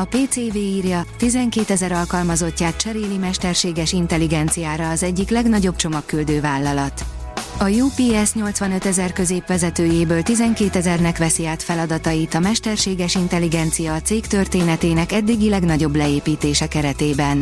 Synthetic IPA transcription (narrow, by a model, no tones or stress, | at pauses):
ɒpeːt̪seːveːiːrjɒt̪izɛŋkeːt̪ɛzɛɾɒlkɒlmɒzo̞cːaːt̪̚t͡ʃɛɾeːlimɛʃt̪ɛrʃeːɡɛʃint̪ɛliɡɛnt̪sijaːɾɒːzɛɟːiklɛɡnɒɟo̞b̚t͡ʃo̞mɒkːyld̪øːvaːlːɒlɒt̪ | ɒjuːpiːɛsɲo̞lt̪sʋɒnø̞t̪ɛzɛrkø̞zeːpʋɛzɛt̪øːjeːbøːlt̪izɛŋkeːt̪ɛzɛrnɛkʋɛsiaːt̪fɛlɒd̪ɒt̪ɒjit̪ɒmɛʃt̪ɛrʃeːɡɛʃint̪ɛliɡɛnt̪sijɒːt̪seːkt̪ø̞rt̪eːnɛt̪eːnɛkɛd̪ːiɡilɛɡnɒɟo̞blɛeːpiːt̪eːʃɛkɛɾɛt̪eːbɛn